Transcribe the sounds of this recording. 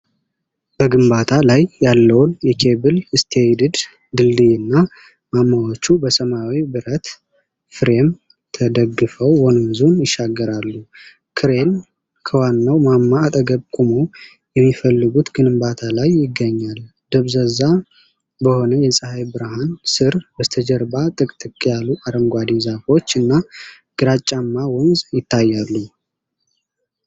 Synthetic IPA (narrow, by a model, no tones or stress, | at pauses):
b̥əɡɨmbat̪ʰalajːalːəwnjɛkʰe̞bɨlɨst̪ʰed̪ɨd̪ | d̪ɨld̪ɨjɪnːa | mamːawot͡ʃːubəsəmawibɨɾət̪ | fɨɾe̞m | t̪ʰəd̪əɡːɨfəwːonəmzunjɪʃːaɡːəɾalːu | kʰɨɾe̞n | kʰəwanːawmamːaːt̪ʼəɡəβkʼumo̞ | jɛmːifəlːɨɡut̪ɡɨnɨmbat̪ʰalajːɪɡːəɲːal | d̪̥əβzəza | bəho̞nəjɛsʼɨhajbɨɾaɦansɨɾbət̪ʰəd͡ʒəɾbat̪ʼɨkʼt̪ʼɨkʼjalːuʔaɾəmɡʷad̪izafo̞t͡ʃːɨnːa | ɡ̥ɨɾat͡ʃʼːamːawɔnzjɪt̪ʰːajːalːu